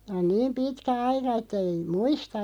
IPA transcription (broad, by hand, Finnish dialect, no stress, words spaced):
on niːm pitkæ ɑikɑ etːæ̆ ei muistɑ